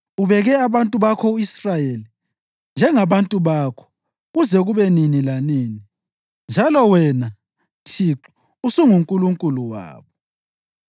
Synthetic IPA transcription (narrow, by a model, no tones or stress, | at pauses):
uβɛɣɛaβantʼuβakʰɔuisrajeli | nd͡ʒʱɛŋaβantʼuβakʰɔ̥ | ɣuzɛɣuβɛninilaniːni | nd͡ʒʱalɔwɛna | tʰiǁu̥ | usuŋuŋkʼuluŋkʼuluwa̰ːβɔ